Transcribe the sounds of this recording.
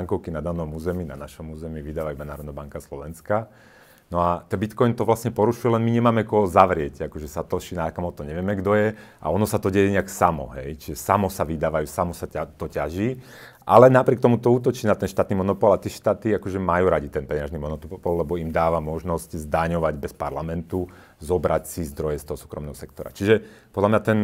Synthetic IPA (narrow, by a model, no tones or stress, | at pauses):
ŋkɔʊkinad̪anɔmuːzɛmina̰naʃɔmuːzɛmiːʋid̪aːʋajumɛnaːɾɔd̪nabaŋkaslɔʋɛnska | nɔat̪ɛnbit̪kɔjnt̪ɔʋlasɲɛpɔɾuʃujɛlɛnmiɲɛmaːmɛkɔɦɔzaʋɾɪɛcakɔʒɛsat̪ɔʃinakamɔt̪ɔɲɛʋɛmɛɡd̪ɔjɛʔa̰ɔnɔsat̪ɔɟɛjɛɲɛaksamɔ̰ɦɛjt͡ʃiʒɛsamɔsaʋid̪aːʋajusamɔsaat̪ɔcaʒi | ʔa̰lɛnapɾɪɛkt̪ɔmut̪ɔuːt̪ɔt͡ʃiːnat̪ɛnʃt̪aːt̪nimɔnɔpɔlat̪iʃt̪aːt̪iakɔʒɛmajuːɾaɟit̪ɛnpɛɲaʒnimɔnɔt̪upɔllɛbɔimd̪aːʋamɔʒnɔsczd̪aɲɔʋaɟbɛspa̰ɾlamɛnt̪u | zɔbɾacsizd̪ɾɔjɛst̪ɔɦɔsuːkɾɔ̰mnɛ̰ɦɔsɛk̚t̪ɔɾa̰t͡ʃiʒɛpɔd̪lamɲat̪ɛn